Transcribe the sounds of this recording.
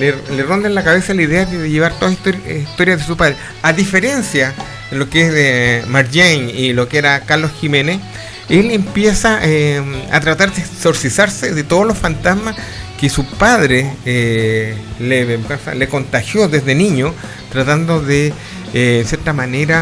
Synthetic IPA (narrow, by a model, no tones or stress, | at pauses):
lelero̞nd̪anlakaβe̞salaiðeaðeðeʝeβaɾt̪oðasist̪o̞ɾjaðesupaðɾe | aðife̞ɾe̞nsja | lo̞keesmaɾʝeŋilokeeɾakaɾlo̞sximenes | elempjesaʔea̰t̪ɾat̪aɾðekso̞ɾsisaɾseðet̪oðolo̞sfant̪azmaskesupaðɾee | leβemɡansa̰leko̞nt̪axjo̞ðezðeniɲo | t̪ɾat̪and̪oðeː | nsje̞ɾt̪amaneɾa